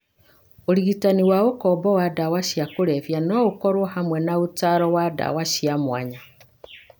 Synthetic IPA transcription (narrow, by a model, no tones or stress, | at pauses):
oɾiɣitaniwaokɔbɔwadawaʃiakoɾɛfjanɔokɔɾwɔhamwɛnaotaɾɔwada̰waʃiamwa̰ɲa